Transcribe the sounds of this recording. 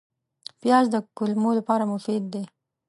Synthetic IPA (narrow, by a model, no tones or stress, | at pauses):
pjɑzd̪əkʊlmolapɑɾamʊfid̪̚ːe